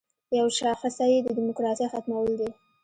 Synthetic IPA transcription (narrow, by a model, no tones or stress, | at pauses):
jawʃɑxɪsajed̪əd̪imʊkɾɑsixat̪mawəld̪i